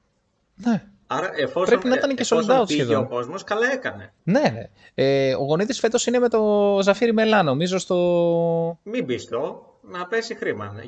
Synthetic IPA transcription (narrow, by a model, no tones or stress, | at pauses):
ne | ɐɾɐʔefospɾepinɐit̪ɐnecesolod̪ɐut̪sçeðoeoko̞zmo̞skɐlɐe̞kɐne̞ | ne̞nḛ | eo̞ɣo̞niðisfe̞t̪o̞sine̞met̪o̞zɐfiɾime̞lɐno̞mizost̪o | mibist̪o | nɐpe̞sixɾimɐ̰n